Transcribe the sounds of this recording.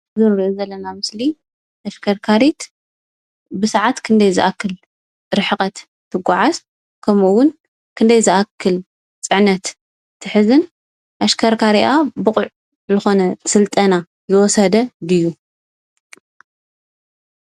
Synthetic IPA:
zɨnɾiʔozɐlːɐnamɨsli | ʔɐʃkʰɐɾkʰaɾit̪ | bɨsaʕat̪kʰɨnd̪ɐjzɨʔakʰːɨl | ɾɨħɨqʼɐt̪ | t̪ʰːɨɡʷːaʕaz | kʰɐmuwʊn | kʰɨnd̪ɐjzɨʔakʰːɨl | t͡sʼɨʕnɐt̪ːʰ | ɨħɨzɨn | ʔɐʃkʰɐɾkʰaɾiʔabɨχʼʊʕ | zɨxo̞nɐsɨlt̪ʼɐna | jɨwɔsɐd̪ɐdɨjːu

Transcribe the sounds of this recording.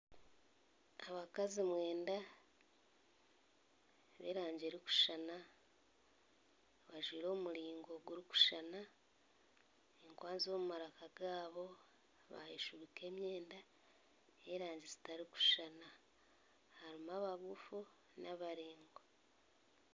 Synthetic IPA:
aβakazimwe̞ːnda | βḛɾaːɲɟeɾiku̥ʃana | βaʒwiːɾo̞ːmuɾiːŋɡo̞ɡuɾiku̥ʃana | eŋkwaːnzomumaɾakaɡaːβo̞ | βa̰jiʃuβike̞ːmje̞ːnda | eɾaːɲɟizi̥taɾiku̥ʃana | haɾimaβaβufu | naβaɾeːŋɡo

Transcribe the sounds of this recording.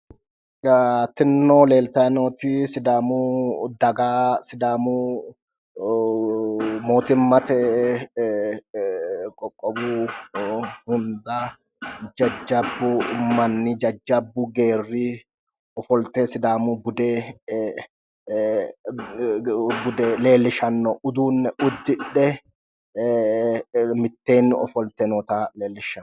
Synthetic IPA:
t̪ɪnːoːle̞ːlt̪ɐnoːt̪isɪd̪aːmuːd̪ɐɡaːsɪd̪aːmuː | moːt̪ɪmːɐt̪ɛ | kʼɔkʼːɔbuː | hʊnd̪aː | d͡ʒɐd͡ʒːɐbːʊmɐnːɪd͡ʒɐd͡ʒːɐbːʊɡe̞ːrːiː | ɔfɔlt̪eːsɪd̪aːmuːbʊd̪eː | bʊd̪ele̞ːlːɪʃɐnːɔʔʊd̪uːnːɛʔʊd̪ːɪᶑɛ | mɪt̪ːe̞ːnːɪɔ̰fɔlt̪ɛnɔt̪aːleːlːɪʃɐn

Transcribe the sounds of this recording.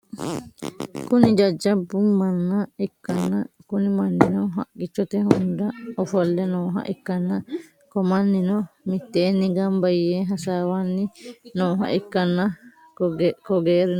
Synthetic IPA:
kunid͡ʒɐd͡ʒːɐbːumɐnːɐɛkːɐnːɐkunimɐnːinɔɦɐ̰kʼːit͡ʃːɔt̪ɛhund̪ɐɔfɔlːɛnoːɦɐ̰ʔɛkːɐnːɐ | kɔmɐnːinɔmit̪ːeːnːiɡɐmbɐjːeːɦɐsaːwanːinoːɦɐ̰ʔɛkːɐnːɐ | kɔɡeːɾin

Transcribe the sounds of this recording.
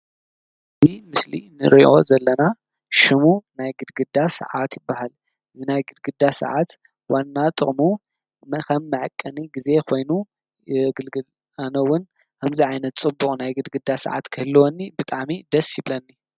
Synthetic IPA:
bimɨslḭnɨ̰ɾiʔo̞zɐlːɐna | ʃɨmunajɡɨd̪ɡɨd̪asɐ̰ʕat̪jɪbːahal | ɨzinajɡɨd̪ɡɨd̪asɐ̰ʕat̪ | wanːat̪ʼɨχʼmu | mɐkʰɐmːɨʕakʼːɐniɡize̞kʰo̞jnu | ɡɨlɡɨl | anɐwʊn | aβziʕajnɐt̪t͡sʼɨbːuχʼnajɡɨd̪ɡɨd̪asɐ̰ʕa̰t̪kʰɨhɨlːwonːibɨt̪ʼaʕmid̪ɐsjɪβlɐnːi

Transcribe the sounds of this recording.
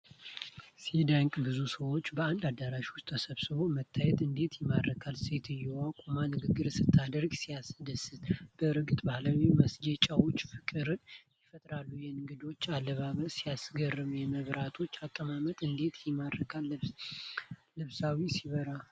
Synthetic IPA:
sid̪aŋkʼbɨzusəwo̞t͡ʃːbəand̪ad̪aɾaʃwʊst̪ʼʰːəsəβsɨβo̞mət̪ʰːajɛt̪ɨnd̪e̞t̪jɛmad̪ɾəkʰalse̞t̪ʰɨjɛwakʼomanɨɡɨɡːɨɾsɨt̪ʰːad̪əɾɡsijasd̪əsɨt̪b̥əɨɾɡɨt̪ʼbahlawiməsd͡ʒet͡ʃʼawo̞t͡ʃːfɨkʼɨɾɨnjɛfət̪ʼɾalːujɛŋɡɨd̪o̞t͡ʃːalːəβaβəsijasɡərːɨmjɛməβɾat̪ʰo̞t͡ʃːakʼːəmamət̪ʼɨnd̪e̞t̪jɛmadəkʰal | lɨβsawisiβəɾa

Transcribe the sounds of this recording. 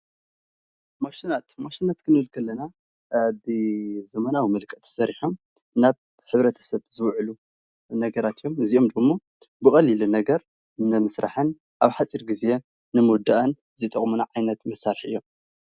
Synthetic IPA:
maʃinat̪maʃinat̪kʰɨnɨlkʰɐlːɐna | bɨzɐmɐnawimɨlkʼɐt̪ʰɐ̥sɐɾiħom | naβ | ħɨβɾɐt̪ʰɐ̥sɐβz̥ɨwʕlu | nɐɡɐɾat̪jo̞mɨzio̞md̪ɨmːo | bɨkʼɐlːilunɐɡɐɾ | nɨmɨsɾʔa̰ħɨn | ʔaβħat͡sʼiɾɡize̞ | nɨmud̪aʔɐn | zit̪ʼɐχʼmunaʕajnɐt̪mɨsaɾħʔɨ̰jːo̞m

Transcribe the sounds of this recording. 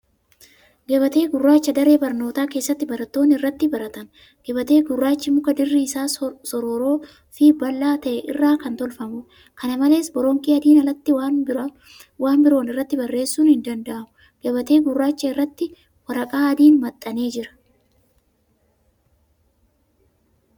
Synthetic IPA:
ɡɐβɐt̪e̞ːɡʊrːaːt͡ʃːɐd̪ɐɾe̞ːbɐɾno̞ːt̪aːke̞ːsːɐt̪ːɪbɐɾɐt̪ːo̞ːnːɪrːɐt̪ːɪbɐɾɐt̪ɐn | ɡ̥ɐbɐt̪e̞ːɡʊrːaːt͡ʃːɪmʊkɐd̪ɪrːiɪsaːsɔɾo̞ːɾo̞ː | fibɐlːaːt̪ɐʔɛʔɪrːaːkɐnt̪ɔlfɐmʊ | kɐnɐmɐle̞ːsbɔɾɔŋkʼiːɐd̪iːnɐlɐt̪ːɪw | waːnbɪɾo̞ːnɪrːɐt̪ːɪbɐrːe̞ːsːuːnhɪnd̪ɐnd̪ɐʔɐmʊ | ɡ̥ɐbɐt̪e̞ːɡʊrːaːt͡ʃːɐɪrːɐt̪ːɪ | wɐɾɐkʼaːɐd̪iːnmɐt̪ʼːɐne̞ːd͡ʒɪɾɐ̥

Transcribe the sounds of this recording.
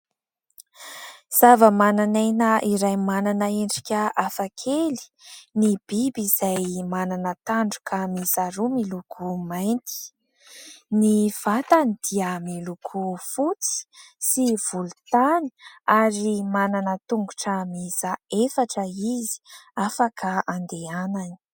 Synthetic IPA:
z̥avəmananajnəiɾajmananəeɳɖ͡ʐikʲəafakʰeli̥nib̥ibizajmananət̪aɳɖ͡ʐu̥kʰamizaɾumilukʰumajnt̪i̥ | niv̥at̪anid̪̥iamilukʰufut͡si̥siv̥ulut̪ani̥aɾimananət̪uŋɡuʈ͡ʂəmizaefaʈ͡ʂəizi̥afakaand̪eanani̥

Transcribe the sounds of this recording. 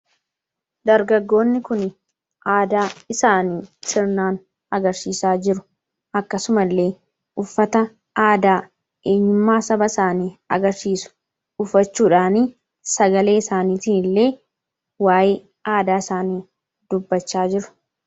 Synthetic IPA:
d̪ɐɾɡɐɡːo̞ːnːɪkʊn | ʔaːd̪aːɪsaːniːsɪɾnaːn | ɐɡɐɾsiːsaːd͡ʒɪɾʊ̥ | ʔɐkːɐsʊmɐlːe̞ː | ʔʊfːɐt̪ɐ | ʔaːd̪aː | ʔe̞ːɲːʊmːaːsɐbɐsaːniːɐ̰ɡɐɾʃiːsʊ̥ | ʊfːɐt͡ʃːuːᶑaːniː | sɐɡɐle̞ːɪsaːniːt̪iːnɪlːe̞ː | waːjɪ | ʔaːd̪aːɪsaːniː | d̪ʊbːɐt͡ʃːaːd͡ʒɪɾʊ̥

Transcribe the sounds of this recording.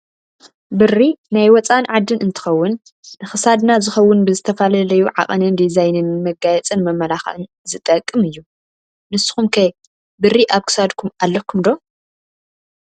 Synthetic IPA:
bɨrːinajwɔt͡sʼanʕad̪ːɨnɨnt̪ʰɨ̥xɐwːʊn | nɨxɨsad̪nazɨxɐwːʊnbɨzɨt̪ʰɐfalɐlɐjuʕa̰χʼɨnɨnd̪izajnɨnmɐɡajɛt͡sʼɨnmɐmɐlaxɨ̰n | zɨt̪ʼɐkʼːɨmɨjːu | nɨsːɨ̥xumkʰɐj | bɨrːiʔaβkʰɨ̥sad̪kʰumalːɐkʰumd̪o̞

